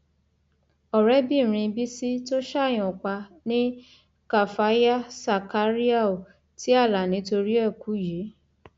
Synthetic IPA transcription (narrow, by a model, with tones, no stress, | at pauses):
ɔ˨ɾɛ˦bĩ˦˨ɾ̃ĩ˧bi˦si˦to˦ʃa˦˨j̃ɔ̃˨k͡pa˧nĩ˦ | ka˦˨fa˨˦ja˦sa˨ka˨˦ɾi˦a˦o˨ | ti˦a˦˨la˨nĩ˨˦to˧ɾi˦ɛ˦˨ku˨˦ji˨˦